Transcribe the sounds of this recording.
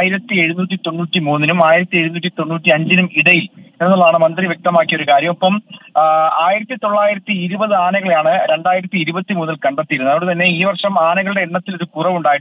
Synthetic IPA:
jiɾɐt̪ːie̞ɻunuːtːit̪o̞nːuːtːimuːnːinumaːjiɾɐt̪ːie̞ɻunuːtːit̪o̞nːuːtːiɐɲd͡ʑinumiɽɐjilenːuɭɐðaːɳɨmɐnd̪riʋje̞k̚t̪ɐmaːkːijoɾukaːɾjɐmɐpːɐm | aːjiɾɐt̪ːit̪o̞ɭːaːjiɾɐt̪ːiiɾubɐðɨaːnɐɣɐɭlaːɳɨɾe̞ɳɖaːjiɾɐt̪ːiːɾubɐt̪ːimuːnːilkɐɳɖɐt̪ːijɾunːɐʋoɽɨt̪ɐnːe̞iːʋɐrʂɐmaːnɐɣɐɭɨɽe̞ːɳːɐt̪ːilo̞ɾukurɐʋuɳɖaːjiʈ

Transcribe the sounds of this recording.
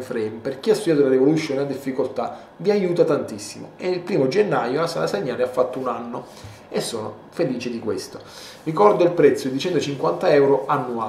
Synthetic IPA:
fɾɛmperk̟iast̪ːud̪jaːt̪ulaɾivolut̪sjoːnead̪ifːikolt̪a | viajuːt̪at̪ant̪isːimo̰eilpɾiːmod͡ʒenːajolasa̰laseɲːaːleafːat̪ːounanːo | esːoːno̰ | feliːt͡ʃɪd̪ikwest̪o | rikɔrd̪oilpɾɛt̪sːod̪it͡ʃɛnt̪ot͡ʃiŋkwant̪aɛwɾoʔanːua

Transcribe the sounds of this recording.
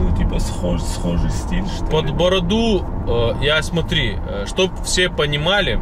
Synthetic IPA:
ut̪ʲipɐsxosxoʐɨjsʲtʲilʲʂt̪pɐd̪bɐɾɐd̪u | jasmɐt̪ɾʲi | əʂt̪op̚fsʲepənʲɪmalʲɪ

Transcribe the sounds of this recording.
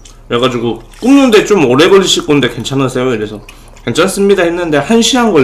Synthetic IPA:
ɾeɡad͡ʑiɡo | k͈umnɯnde̞t͡ɕ͈omʌɾe̞ɡʌɭːiɕʰik͈onde̞ke̞nt͡ɕʰanɯsʰe̞joiɾe̞sʰʌ | ke̞nt͡ɕʰans͈ɯmɲidahenːɯnde̞hanɕʰianɡʌ

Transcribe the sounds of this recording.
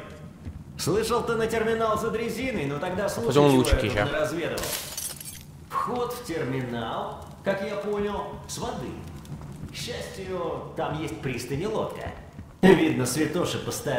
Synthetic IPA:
slˠɨʂəlˠt̪ɨnətʲɪrmʲɪnalˠzəd̪ɾʲɪzʲinəjnot̪ɐɡd̪aslˠuolˠut͡ʃkʲɪnəɾɐzvʲed̪əvə̰lˠ | fxo̞t̪ftʲɪrmʲɪnalˠ | kakjapo̞nʲɪlˠsvɐd̪ɨ̰ | ɕːæsʲtʲɪjʊt̪amjesʲt̚ʲpɾʲist̪ɨnʲɪlˠo̰kə̰ | vʲid̪nəsvʲɪt̪oʂɨpəst̪a

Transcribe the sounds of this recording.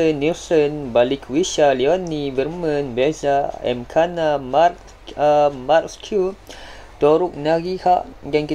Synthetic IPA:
ənːisənbalikʰwiʃaliɔnĩbərmə̃nbɛzaɛ̰mkʰanamark | markskʰu | t̪ɔɾuk̚naɡihaʔɡanki

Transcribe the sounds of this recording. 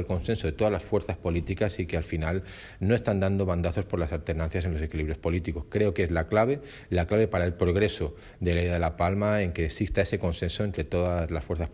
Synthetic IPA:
elko̞nse̞nsoðe̞t̪o̞ðazlasfwe̞ɾθaspo̞lit̪ikasikealfinal | no̞e̞st̪and̪and̪o̞βand̪aθo̞spo̞ɾlasalt̪e̞ɾnãnθjas̬e̞nlo̞se̞kiliβɾjo̞spo̞lit̪iko̞skɾe̞o̞kezlaklaβe̞ | laklaβe̞paɾae̞lpɾo̞ɣ̞ɾe̞so | ðe̞lejðaðelapalmae̞ŋke̞ːksist̪ae̞se̞ko̞nse̞nsoe̞nt̪ɾe̞t̪o̞ðazlasfwe̞ɾθas

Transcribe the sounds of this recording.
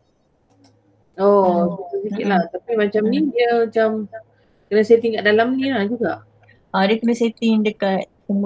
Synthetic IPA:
osusəsikit̪̚laht̪apimat͡ʃamnidiəmat͡ʃam | kənə̃sajt̪iŋkaʔdalamnilad͡ʒuɡaʔ | aɾəkənə̃set̪iɖəkat̪̚sum

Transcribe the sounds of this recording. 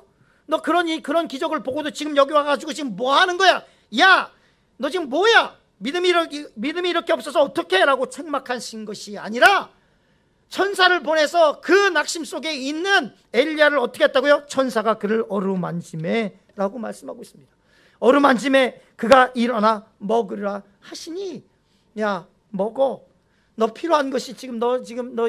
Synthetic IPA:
nʌkɯɾʌɲikɯɾʌnkid͡ʑʌɡɯɭpoɡodot͡ɕiɡɯmjʌɡiwaɡad͡ʑiɡot͡ɕiɡɯmːoaɦanɯnɡʌja | ja | nʌt͡ɕiɡɯmːwʌja | midɯmiɾmidɯmiːɾʌkʰe̞ʌp̚s͈ʌsʰʌːt͈ʌkʰe̞ɾaɡot͡ɕʰeŋmakʰanɕʰinɡʌɕʰia̰ɲiɾa | t͡ɕʰʌnsʰaɾɯɭp̬one̞sʰʌkɯnak̚ɕ͈ims͈oɡe̞inːɯn | e̞ʎːiaɾɯɾʌt͈ʰʌkʰet͈aɡojot͡ɕʰʌnsʰaɡakɯɾɯɾʌɾumand͡ʑʰime | ɾaɡomaɭs͈ɯmɦaɡois͈ɯmɲid̥ḁ | ʌɾumand͡ʑʰime̞ | kɯɡaʔiɾʌna | mʌɡɯɾa | haɕʰiɲi | ja | mʌɡʌ | nʌpʰiɾoɦannɡʌɕʰit͡ɕiɡɯmnʌt͡ɕiɡɯmnʌ

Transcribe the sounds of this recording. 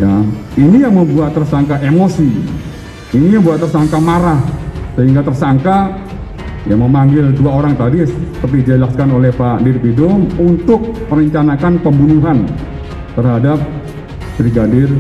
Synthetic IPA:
jainijaŋməmbuat̪ːərsaŋkaʔemosi | iniməmbuat̪ːərsaŋkamaɾahsəɦiŋɡat̪ərsaŋka | jaməmaŋɡɪlduaoɾaŋt̪adisəpərt̪iid͡ʒalaskanolɛhpadɪrpidɔmunt̪ʊk̚məɾəɲt͡ʃanakanpəmbunuɦan | t̪ərɦadap̚ | b̥ɾiɡadɪr

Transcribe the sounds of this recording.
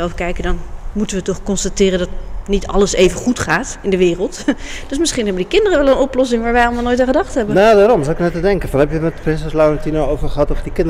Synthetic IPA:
ɛlˠfkɛjkədɑnmutənʋətɔχkɔnstatɪːrəndɔtnitʰɑ̰ləseːjvəχutχaːtɪndəʋɪːrəlˠtd̥øsmɪsχinɦɛbəndikɪndərəʋɛlˠənɔplɔs̬ɪŋʋaːɹʋɛjɑlˠmalˠnojtãːχədɑχtɦɛbənadaːɾɔmzawɪknɛtədɛŋkənfɑnɛpjəmɛtprɪnsɛslawəntinoowvəχəɦɑtɔfdikɪnd

